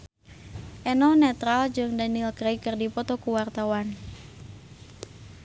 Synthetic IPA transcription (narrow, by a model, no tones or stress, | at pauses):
ʔɛnɔnɛt̪ɾald͡ʒɨŋdanilkɾejkɨrdipɔt̪ɔkuwart̪awan